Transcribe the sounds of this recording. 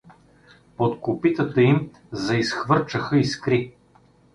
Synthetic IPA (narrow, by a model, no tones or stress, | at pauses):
pot̪kopit̪ət̪əim | zɐisxvɤɾt͡ʃəxəiskɾi